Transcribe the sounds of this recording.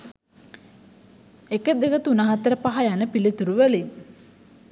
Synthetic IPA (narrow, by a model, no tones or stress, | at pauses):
ekəd̪ekət̪unaɦat̪əɾəpaɦajanəpilit̪uɾuʋəli